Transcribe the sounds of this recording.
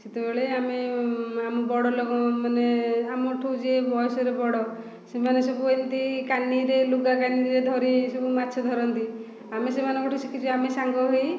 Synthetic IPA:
set̪ebeɭeameamɔbɔɽɔlɔɡɔmaneamɔʈʰud͡ʒebʱɔjsɔɾebɔɽɔ | semanesɔbuɔjnt̪ikanːiɾeluɡakaniɾeɾed̪ʱɔɾisubumat̪ːʃʰɔd̪ʱɔɾɔnt̪i | amesemanɔ̃kɔʈʰusikʰit͡ʃʰuamesaŋɡɔɦɔj

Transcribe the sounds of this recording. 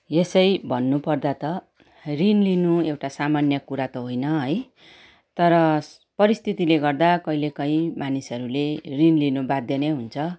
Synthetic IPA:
jesʌjbʱʌnːupʌrd̪at̪ʌ | rinlinuewʈasamanjʌkuɾat̪oɦojnʌɦʌj | t̪ʌɾʌ | pʌɾist̪ʰit̪ileɡʌrd̪akʌilekʌĩmanisʌɾulerinlinubad̪ʱjʌneɦunt͡sʰʌ

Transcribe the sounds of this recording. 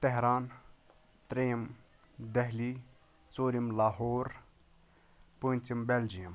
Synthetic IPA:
t̪eɦɾaːn | t̪ɾejim | d̪eɦliː | t͡soːɾimlaːɦoːɾ | puːnʲt͡simbeld͡ʒijɐm

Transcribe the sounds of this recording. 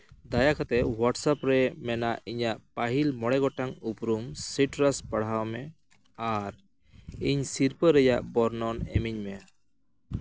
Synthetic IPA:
d̪ajakʰat̪ɛwaʈsapɾɛmɛnaʔiɲaʔpaɦilmɔɽɛɡɔʈaŋupɾumsiʈɾaspəɽ̤awmɛ | aɾ | iɲsiɾpəɾɛjaʔbɔɾnɔnɛ̰miɲmɛ

